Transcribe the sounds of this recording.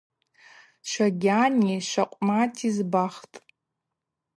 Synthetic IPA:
ʃʷaɡʲaniʃʷaqʷʼmatʼʰizbaχtʼ

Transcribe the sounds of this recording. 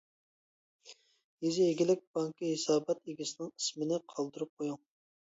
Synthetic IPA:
jizieɡʲilɪk̚ʲbɑŋkʰɨɦesɑːbɑt̪eɡʲisɪnɪŋismɪnɪqʰɑlˠd̪ɨɾup̚qʰojuŋ

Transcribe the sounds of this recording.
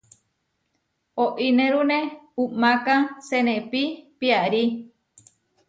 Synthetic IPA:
oʔinẽɾunẽumãkãsenẽpipiaɾi

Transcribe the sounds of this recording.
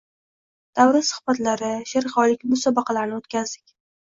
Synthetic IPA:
d̪̥awɾɪsʊ̥χbat̪laɾɪʃɪɾχɒlɪkʲbʊsabɑqʰɑlaɾnɪot̪kʲʰazd̪ɪkʲ

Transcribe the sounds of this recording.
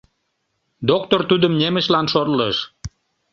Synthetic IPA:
d̪okt̪ort̪ud̪ə̆mnemə̆ʃlɑnʃorləʃ

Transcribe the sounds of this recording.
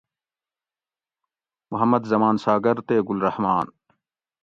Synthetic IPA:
mʊɦɐmːɐd̪zɐmaːnsaːɡɐɾt̪eːɡʊlɾɐhmaːn

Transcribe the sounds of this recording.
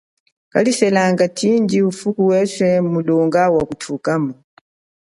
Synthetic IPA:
ka̰lisɛlaŋɡatʰind͡ʒiufukuwɛsɛmulɔŋɡawakutʰukamu

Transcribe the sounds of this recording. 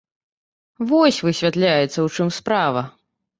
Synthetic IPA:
vɔsʲvɨsʲvʲat̪lʲajɛt̪sːɐwt͡ʂɨmspɾavɐ

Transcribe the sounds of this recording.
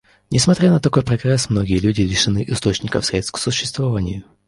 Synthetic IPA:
nʲɪsmɐt̪ɾʲanət̪ɐko̞jpɾɐɡrɛsmno̞ɡʲɪjəlʲʉdʲɪlʲɪʂɨnɨʔɪst̪o̞t͡ɕnʲɪkə̰fsʲɾʲet̪st̪ksʊɕːɪst̪vɐvanʲɪjʊ

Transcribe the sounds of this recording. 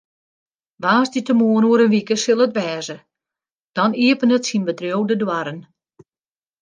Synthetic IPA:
ʋaːzditəmoːənuəɾənʋikəsɪlˠətʋɛːzə | d̥ɔniəpənətsinbətrjowdədwaɾən

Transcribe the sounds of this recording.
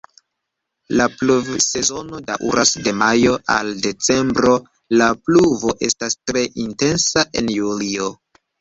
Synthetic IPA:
lapluvse̞zo̞no̞da̰ʔṵɾʔasde̞majo̞ʔa̰lde̞t͡se̞mbɾo̞ | lapluvo̞ʔe̞stastɾe̞ʔinte̞nsaʔe̞njulio̞

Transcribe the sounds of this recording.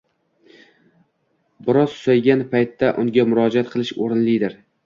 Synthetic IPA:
bɪɾɒzʊ̥sajɡʲanpʰajt̪ːaʔʊŋɡʲamʊɾɒd͡ʒat̪̚qʰɨlˠɪʃoɾɪnlɪd̪ɪɾ

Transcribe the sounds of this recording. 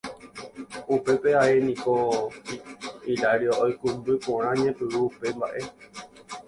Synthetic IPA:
upe̞peaenĩko | iɾaɾiaʔojkumbɨpõɾ̃ãɲẽpɨwuupe̞mbaʔe̞

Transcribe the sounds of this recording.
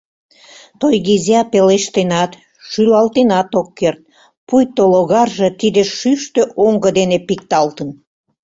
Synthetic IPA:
t̪ojɣizɑpeleʃt̪enɑt̪ | ʃylɑlt̪enɑt̪okːert̪̚ | pujt̪oloɣɑrʒĕt̪id̪eʃyʃt̪øʔoŋɡəd̪enepik̚t̪ɑlt̪ən

